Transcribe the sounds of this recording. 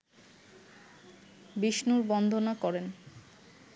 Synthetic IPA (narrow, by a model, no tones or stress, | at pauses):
biʃnuɾbɔnd̪ʱonakɔɾen